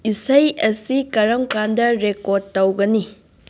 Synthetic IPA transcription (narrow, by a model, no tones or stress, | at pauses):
isɐjɐsikɐɾɐmkandɐɾekod̚tːɐwɡɐni